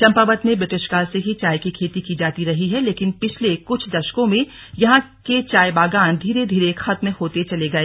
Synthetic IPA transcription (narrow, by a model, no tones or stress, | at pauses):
t͡ʃɐ̃mpaːbət̪mẽbɾɪʈɪʃkaːlseɦit͡ʃaːjkikʰeːt̪ikid͡ʒaːt̪iɾɐɦiɦɛleːkɪnpɪt͡ʃʰlekʊt͡ʃʰd̪ɐʃkõmẽ | jɐɦãket͡ʃaːjbaːɡaːnd̪ʱiːɾed̪ʱiːɾexɐt̪mhoːt̪et͡ʃɐleɡɐeː